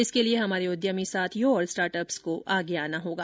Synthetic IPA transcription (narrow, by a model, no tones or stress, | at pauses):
ɪskelieɦɐmaːɾeʊd̪jəmisaːt̪ʰjoɔːɾsʈaːɾʈəpskoʔʔaːɡeaːnaɦoːɡaː